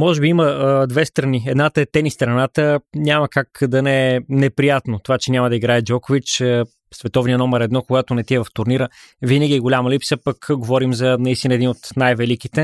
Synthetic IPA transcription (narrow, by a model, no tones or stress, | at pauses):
mɔʒɛbiiməd̪vɛst̪ɾɐniɛd̪nat̪əɛt̪ɛnist̪ɾɐnat̪əɲʲamɐkakd̪ɐnɛɛnɛpɾijat̪not̪ovat͡ʃɛnʲamɐd̪ɐiɡɾaɛd͡ʒɔkʊvit͡ʃə | svɛt̪ɔvnijənɔmɛɾɛd̪nɔkoɡat̪onɛt̪iɛvɐft̪ʊɾniɾəvinəɡʲiɛɡolʲaməlipsəpɐkɡovɔɾimzɐnɐist̪inəɛd̪inot̪najvɛlik̟it̪ɛ